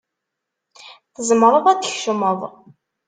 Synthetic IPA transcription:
θəzmɾˤəðˤæd̪əçʃəməðˤ

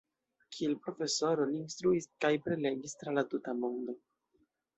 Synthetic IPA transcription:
kʰielpɾo̞fe̞so̞ɾo̞liːnst̪ɾuiskajpɾe̞le̞ɡistɾalatutamo̞ndo̞

